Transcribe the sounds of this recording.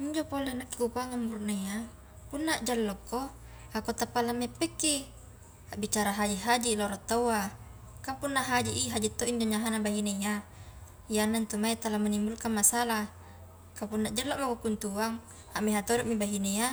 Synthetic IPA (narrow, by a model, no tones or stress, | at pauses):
iɲd͡ʒopolenakːi̥kukaŋamurneja | punːaʔd͡ʒalːɔkːo | akot̪apːalamːepːɛkːi | aʔbit͡ʃaɾaɦad͡ʒiɦad͡ʒiloɾɔt̪ːawa | kampunːaɦad͡ʒiʔiɦad͡ʒit̪ːoiɲd͡ʒoɲaɦanabaɦineja | janːant̪umait̪alamanimbulkanmasala | kapunːaʔd͡ʒalːɔʔmakokunt̪uaŋ | aʔmiɦat̪oɾɔʔmibaɦineja